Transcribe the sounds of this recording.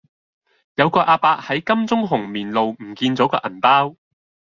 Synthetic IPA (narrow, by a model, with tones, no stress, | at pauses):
jɐ˨˧wkɔː˧ʔaː˧paː˧k̚hɐ˨˥jkɐ˥mt͡sʊ˥ŋɦʊ˨˩ŋmiː˨˩nlo˨wm̩˨˩kiː˧nt͡sɔː˨˥kɔ̰ː˧ʔɐ˨˩npaː˥w